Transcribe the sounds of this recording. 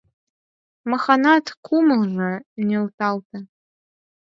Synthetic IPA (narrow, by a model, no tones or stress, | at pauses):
mɐxanatʰkʰʷumɨlʒʷɐneltʰʼaltʰɐ